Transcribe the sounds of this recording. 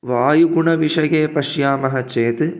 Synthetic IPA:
ʋaːjuɡuɳɐʋiʂɐjeːpɐʂjaːmɐɦɐt͡ʃeːt̪ɨ

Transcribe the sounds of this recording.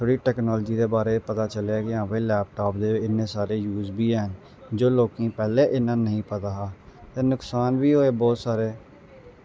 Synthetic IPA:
t̪ʰoɽiːʈɛːknɔːld͡ʒiːd̪eːbaːɾeːpət̪aːt͡ʃəleakɪãːbeːlɛːp̚ʈaːp̚d̪eːɪnːẽːsaːɾeːjuːzbiːɦɛːɦən | d͡ʒoːloːkĩːpɛːleːʔɪnːãːnəɦĩːpət̪aːɦaːt̪ẽːnʊksaːnʋiːɦoːeːbɔːt̪saːɾeː

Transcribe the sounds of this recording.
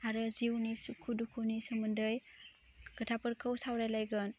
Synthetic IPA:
aɾɯziwnisukʰudukʰuwnisɔmɯndɯj | ɡ̥ətʰapɯɾkʰɯwsawɾajlajɡɯn

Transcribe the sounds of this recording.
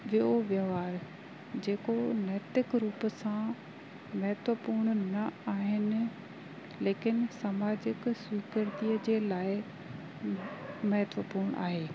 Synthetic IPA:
ʋioʋjəʋaːɾ | d͡ʑeːkonɛːt̪ɪkɾuːpsã | mɐɦɛt̪ʋəpuːɾɽ̃nɐaːɦɪnɪ̆ | leːkɪnsɐmaːd͡ʑɪkswiːkəɾt̪iəd͡ʑeːlaːɪ | mɐɦt̪ʋəpuːɾɽ̃ʔa̰ːɦeː

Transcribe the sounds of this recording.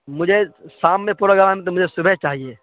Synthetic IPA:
mʊd͡ʒʱesaːmːẽpuːɾaɡɐʋaːmẽt̪̬omʊd͡ʒʱesʊbʱɛɦt͡ʃaːɦieː

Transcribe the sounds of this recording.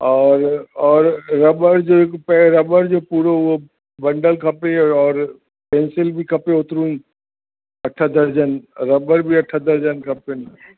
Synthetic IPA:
ɔːɾɔːɾɾɐbəɾd͡ʒoekpɛɾɐbəɾd͡ʒoːpuːɾoʋo | bɐ̃ɳɖəlkʰɐpeɔːɾ | pẽːnsɪlbʱikʰɐpeʊt̪ɾũĩː | ɐʈʰːad̪ɐɾd͡ʒənɾɐbəɾbʱiɐʈʰːad̪əɾd͡ʒənkʰɐpen

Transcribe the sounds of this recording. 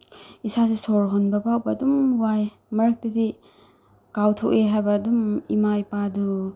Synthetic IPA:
isasisoɾɦonbɐpawbɐːdumwaj | mɐɾɐk̚tɐdi | kawtʰok̚eɦajbɐːdumḭmajpadu

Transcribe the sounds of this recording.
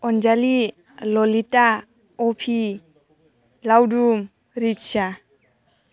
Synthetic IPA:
ɔnd͡ʒali | lɔlita | ɔpʰi | lawdum | ɾit͡ʃa

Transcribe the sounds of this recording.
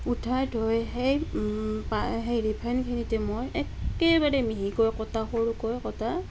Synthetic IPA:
utʰajtʰɔjhejpaɦejɹipʰankʰinitɛmojɛkɛbaɹɛmiɦikɔjkɔtaxoɹukɔjkɔta

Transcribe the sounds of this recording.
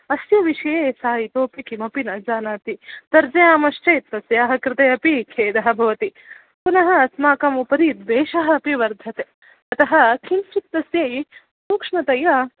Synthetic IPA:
ɐsjɐʋiʃɐjeːsaːjit̪oːpikimɐpinɐd͡ʒaːnaːt̪it̪ɐɾd͡ʒɐjaːmɐʃʈeːt̪ːɐsjaːɦɐkɾɪt̪ɐjɐpikʰeːd̪ɐɦɐ̆bʱɐʋɐt̪i | punɐɦɐːsmaːkɐmupɐɾit̪b̪eːʃɐɦɐɐpiʋɐɾd̪ʱɐt̪e | ɐt̪ɐɦɐkʰimsit̪ːɐsjɐj | suːkʂmɐt̪ɐjɐ

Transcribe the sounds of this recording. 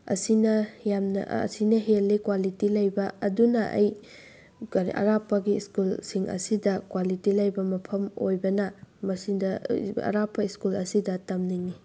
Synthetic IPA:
ɐ̰sinɐjamnɐ̰ɐ̰sinɐɦelːikwalitilɐjbɐɐdunɐʔɐ̰j | ɾiʔɐ̰ɾapːɐɡiːskulsiŋʔɐ̰sidɐkwalitilɐjbɐmɐpʰɐmo̰jbɐnɐmɐsidɐɐ̰ɾapːɐiskulɐsidɐtɐmniŋni

